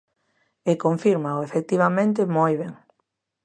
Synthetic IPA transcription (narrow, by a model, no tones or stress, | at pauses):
ekoɱfiɾmaoefek̚t̪iβamẽnt̪̬ɪmojβeŋ